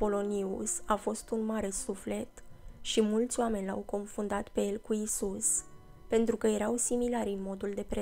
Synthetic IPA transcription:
po̞lo̞niusafo̞st̪unmaɾe̞sufle̞t̪ʃimult̪sʲoame̞nʲlawko̞nfund̪at̪pe̞je̞lkuisus | pe̞nt̪ɾukəje̞ɾawsimilaɾʲɨnmo̞d̪uld̪e̞pɾe

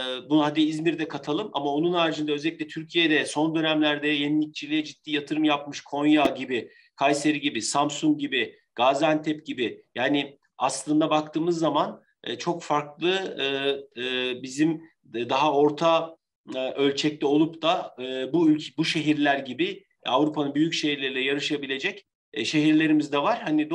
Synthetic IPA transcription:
bunuɦad̪iizmiɾd̪ɛkʰat̪ʰalˠɯmamao̞nunaːɾd͡ʒɯnd̪aø̞zɛlʲic̪̚ʲlʲɛt̪ʰyɾcʰijed̪ɛso̞nd̪ø̞næmlʲæɾd̪ɛjenilʲic̚t͡ʃʰilʲijɛd͡ʒit̪̚ːiːjat̪ʰɯɾɯmjap̚mɯʃkʰo̞njaɟibi | kʰajse̞ɾiɟibisamsuŋk̚ɟibɪ | ɡ̥azænt̪ʰɛp̚ɟibɪjaːnɪ | aslˠɯnd̪abakt̪ʰɯːmɯzːamanː | t͡ʃʰo̞kfaɾklˠɯɯː | bizim | d̪aɦao̞ɾt̪ʰa | ʔø̞lʲt͡ʃʰɛc̚t̪ʰʲɛo̞lˠupt̪aɯːbuylʲbuʃe̞ɦiɾlʲæɾɟibi | avɾupʰanɯnbyjycʃeɦiɾlʲeɾilʲɛjaɾɯʃabilʲe̞d͡ʒɛcː | ʃe̞ɦiɾlʲe̞ɾimizd̪ɛvaɾ̥hanid̪

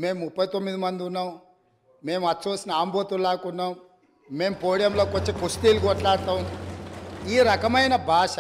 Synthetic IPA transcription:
me̞ːmmupːɐjt̪omːid̪imɐnd̪iunːaːm | meːmɐtːt͡ʃoːsinɐaːmboːt̪ulaːkunːaːm | me̞ːmpoːɽijɐmloːkʋot͡ʃːekust̪iːlukɔʈlaːɽt̪aːm | iːɾɐkɐmɐjnɐbʱaːʃɐ

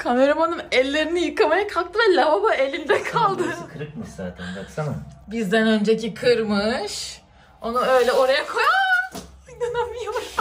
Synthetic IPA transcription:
kʰame̞ɾamanɯnɛlʲːe̞ɾinijɯkamajakʰap̚t̪ʰɯvɛlʲababae̞lʲind̪ɛkʰalˠd̪ɯkʰɯɾɯk̚mɯʃza̰ːt̪ʰɛnasamabizd̪ænø̞nd͡ʒecikʰɯɾmɯʃ | o̞nuø̞jlʲɛo̞ɾajakʰo̞ja | id̪anamija

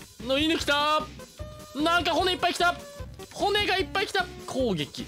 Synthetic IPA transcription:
noinɯkʲi̥t̪a | nãŋkaɦoneipːaikʲi̥t̪ahone̞ɡaipːaikʲi̥t̪akʰoːɡe̞kʲi

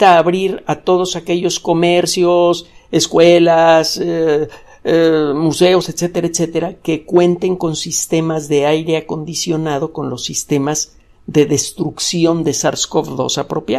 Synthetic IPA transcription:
aːβɾiɾat̪o̞ð̞o̞sake̞ʝo̞sko̞me̞ɾsjo̞seskwe̞las | muse̞o̞set̪se̞t̪e̞ɾaet̪set̪e̞ɾake̞kwe̞nt̪e̞ŋko̞nsist̪e̞mazðe̞ajɾe̞ako̞nd̪isjo̞nað̞o̞ko̞nlo̞sːist̪e̞maz | ðe̞ðe̞st̪ɾuksjo̞nd̪e̞saɾskofðo̞̰sapɾo̞pja

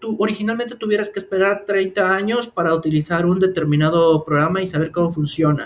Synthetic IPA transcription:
t̪uʔo̞ɾixinalment̪e̞t̪uβje̞ɾaskeːspe̞ɾaɾt̪ɾe̞jnt̪aaɲo̞spaɾaut̪ilisaɾund̪e̞t̪e̞ɾmĩnað̞o̞pɾoɣɾamaisaβ̞e̞ɾko̞mo̞funsjo̞na̰

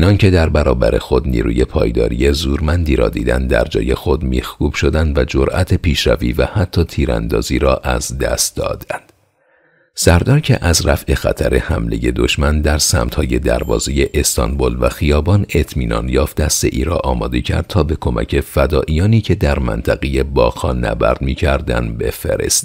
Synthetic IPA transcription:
inɒncʰe̞d̪æɾbæɾɒːbæɾe̞̰xo̞d̪nḭːɾuːje̞pʰɒːjd̪ɒ̰ːɾije̞zuːɾmænd̪iːɾɒ̰ːd̪iːd̪ænd̪d̪æ̰ɾd͡ʒɒ̰ːje̞xo̞d̪mihkuːb̥ʃo̞d̪ænd̪væd͡ʒoɾʔæt̪ʰe̞pʰiːʃɾæviːvæhæt̪ʰːɒːt̪ʰiːɾæ̰nd̪ɒ̰ːziːɾɒːʔæzd̪æst̪̚d̪ɒ̰ːd̪ænd̪̥ | sæɾd̪ɒːɾcʰe̞ʔæzɾæfʔe̞xæ̰t̪ʰæɾe̞hæmle̞̰je̞d̪o̞ʃmænd̪æɾsæmt̪hɒːje̞d̪æɾvɒ̰ːzeje̞ʔest̪ʰɒnbolvæxijɒːbɒne̞t̪ʰmiːnɒ̰ːnjɒːft̪d̪æst̪e̞ʔiːɾɒːʔɒːmɒːd̪e̞cʰæ̰ɾd̪̚t̪ʰɒːbe̞kʰo̞mʔæ̰cʰe̞fæd̪ɒːʔijɒːniːcʰe̞d̪æɾmæ̰nt̪ʰæɣejebɒːɣhɒːnæ̰bæɾd̪miːcʰæɾd̪ænd̪be̞feɾḛst̪

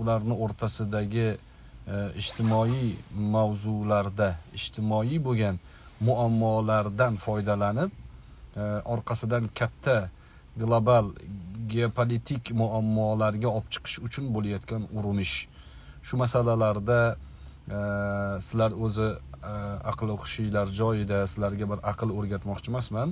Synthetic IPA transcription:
ʊlaɾnɪoɾt̪ʰasɪd̪aɡʲɪ | ɪd͡ʒt̪ʰɪmɒimawzʊlaɾd̪aɪʃt̪ʰɪmɒiboɡʲan | mʊamːɒlaɾd̪anfɒjd̪alanɪp̚ | ʔɒɾqʰɑsɪd̪ankʲʰat̪ʰːa | ɡlˠobalɡʲeopʰolit̪ʰɪkʲmʊamːɒlaɾɡʲaɒpt͡ʃʰɨ̥qʰɨ̥ʃʊt͡ʃʰʊnbolajɒt̪kʲanʊɾɪnɪʃ | ʃʊmasalalaɾd̪a | sɪlaɾɵzɪ | ɑ̰qlˠɪχʊ̥ʃijlaɾd͡ʒɒjɪd̪asɪlaɾɡʲabɪɾʔɑqʰɨlˠɵɾɡʲat̪mɒqt͡ʃʰɪmasman

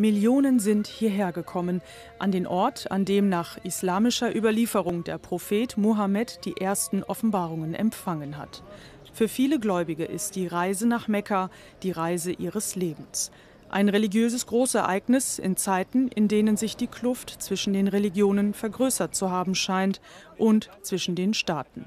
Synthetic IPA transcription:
mɪljoːnənzɪnthiːɐɦeːɐɡəkʰɔmən | ʔandeːnʔɔɐtʰa̰ndeːmnaːχʔɪslaːmɪʃɐʔyːbɐliːfəʁ̞ʊŋdḛːɐpʁ̥ofeːtmoɦamɛtd̥iːʔeːɐstn̩ʔɔfn̩baːʁ̞ʊŋənʔɛ̰mfaŋənɦa̰t | fyːɐfiːləɡlɔʏbɪɡəʔɪstd̥iːʁaɪzənaːχmɛkʰa | d̥iːʁaɪzəʔiːʁ̞əsleːbm̩s | ʔa̰ɪnʁeliɡjøːzəsɡ̥ʁoːsɛɐʔaɪknɪsɪ̰nt͡saɪtn̩ɪ̰ndeːnənzɪçd̥iːkʰlʊftt͡sv̥ɪʃn̩deːnʁeliɡjoːnənfɛɐɡʁøːsɐt͡suɦaːbm̩ʃaɪntʔʊntt͡sv̥ɪʃn̩deːnʃtaːtn̩

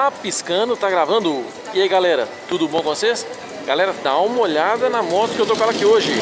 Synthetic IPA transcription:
apiskɐ̃nʊt̪aɡɾavɐ̃nd̪ʊ | iaiɡalɛɾɐt̪ud̪ʊbõkõses | ɡalɛɾɐd̪aũmɐoʎad̪ɐnɐmɔt̪ʊ̥kɪewt̪okõɛlɐakioʒɪ

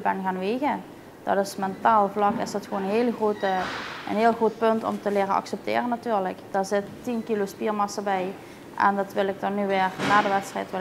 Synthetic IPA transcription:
bɛnɣaːnʋeːɣə | d̥ɑ̰tɪsmɛntaːlˠvlɑkɪ̰sdɑtxʋoːnənɦeːlxrotə̰nɦeːlˠɣrot̚pɵntɔ̰mtəlɪːrənɑ̰ksɛp̚tɪ̰ːrənatyːɹləkd̥aːɹzɪtː | inkilospiːɹmɑsəbɛj | ʔɛ̰ndɑtʋɪlˠɪk̚dɔnnyʋɪːrnaːdəʋɛtstrɛ̰jtʋɪ

